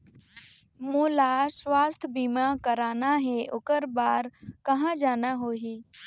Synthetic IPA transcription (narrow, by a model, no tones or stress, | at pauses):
moːlaswaːst̪ʰbiːmakəɾaːnaɦeʔʊkəɾbaːɾkɐɦãd͡ʒaːnaɦoːɦiː